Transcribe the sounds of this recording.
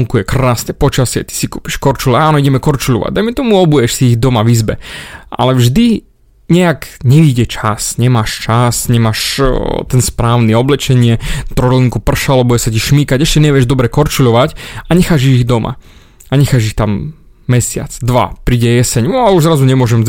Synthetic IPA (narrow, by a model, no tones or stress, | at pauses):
ŋkujɛkɾaːsnɛpɔt͡ʃasɪɛ̰t̪i̥sikuːpi̥ʃkɔɾt͡ʃulɛaːnɔiɟɛmɛkɔɾt͡ʃuʎɔ̰ʋa̰ɟ̚d̪ajmɛt̪ɔmuɔbujɛʃsiːɣd̪ɔmaʋizbɛ̰a̰lɛvʒd̪i | ɲɛaɡɲɛʋiɟɛt͡ʃasɲɛmaːʃt͡ʃasɲɛmaːʃt̪ɛnspɾaːʊniɔblɛt͡ʃɛɲɪɛt̪ɾɔliŋkupr̩ʃalɛbujɛsaciʃmiːkaɟɛʃcɛɲɛʋɪɛʒd̪ɔbɾɛkɔɾt͡ʃuʎɔʋacaɲɛxaːʒiɣiɣd̪ɔmʔa̰ | aɲɛxaːʒixt̪amː | ɛsɪa̰t͡sd̪ʋa̰pɾiːɟɛjɛsɛɲalɛuʒzɾazuɲɛmʊɔʒɛm